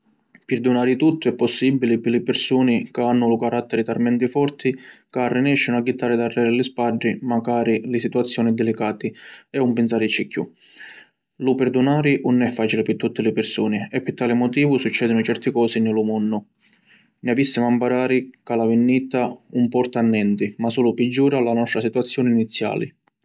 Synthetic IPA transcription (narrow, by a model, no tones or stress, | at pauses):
pɪɾd̪unaːɾɪt̪ut̪ːʊɛpːɔsːibilipɪlɪpɪɾsuːnikaanːʊlukaɾat̪ːɛɾɪt̪armɛnt̪ifɔrt̪ʰikarːinɛʃːɪnʊaɡːit̪ːaɾrːɪd̪arːɛɾɪlɪspaɖɾimaɡaːɾilɪsit̪uat̪sːjɔːnid̪ɛlikaːt̪iɛumpɪns̬aːɾɪt͡ʃːikʰːjṵ | lupɛɾd̪unaːɾiʔʊnːɛfːaːt͡ʃilɪpɪt̪ːut̪ːɪlɪpɪrsuːnɪɛpːɪt̪ːaːlimɔt̪iːvʊsut͡ʃːɛːd̪ʊnʊt͡ʃɛrt̪ɪkɔːsinɪlumɔnːʊ | nɪavisːimampaɾaːɾikalavɪnːit̪aumpɔrt̪anːɛnt̪imasuːlʊpɪd͡ʒːuːɾalanɔst̪ɾasit̪uat̪sːjɔːnɪinit̪sːja̰ːlɪ̰